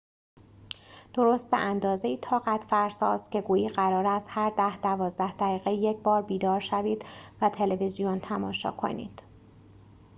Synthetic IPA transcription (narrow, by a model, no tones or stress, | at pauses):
d̪̥o̞ɾoːst̪̚bḛʔænd̪ɒːzejiːt̪ʰɒːɣæt̪ʰfæɾsɒːsce̞ɡuːjiːɢæɾɒːɾæst̪hæɾd̪æhd̪ævɒːzd̪æhd̪æɣiːɣejecʰbɒːɾbiːd̪ɒːɾʃæviːd̪̥væt̪ʰe̞levizijont̪ʰæmɒːʃɒ̰ːkʰo̞̰nḭːd̪̥